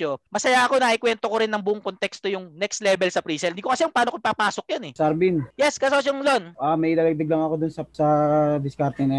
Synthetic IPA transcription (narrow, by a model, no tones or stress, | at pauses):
omɐsɐjaʔɐko̞nɐʔɪkwɛnt̪okoɾɪnːɐŋbuʔoŋkont̪ɛkst̪o̞jʊŋnɛkst̪lɛbɛlsɐpɾiːsɛld̪iːkokɐsɛjʊŋpaːnokopɐpaːsok̚jonɛsɐɾbinjɛskɐsosoŋlonʔamɐjʔɪlaːlɐɡ̚d̪ɐɡ̚lɐŋɐkod̪ʊnsɐsɐd̪ɪskaɾt̪ɪŋnɐ